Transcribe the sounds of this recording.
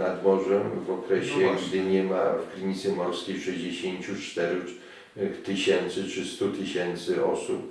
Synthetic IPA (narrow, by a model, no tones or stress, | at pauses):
nad̪bɔʐɛmvɔkɾɛɕɛɡd̪ɪɲɛma̰fkɾɘɲit̪sɛmɔɾskʲejʂɛjd͡ʑeɕeɲt͡ɕut͡ʂt̪ɛɾ | t̪ɘɕɛnt̪sɘt͡ʂɘst̪ut̪ɘɕɛnt̪sɘɔsup